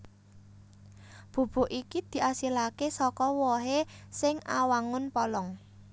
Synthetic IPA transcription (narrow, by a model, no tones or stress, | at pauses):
b̥o̤b̥o̤ʔikid̪̥i̤ʔasilakesɔkɔwɔɦesɪŋa̰waŋʊnpɔlɔŋ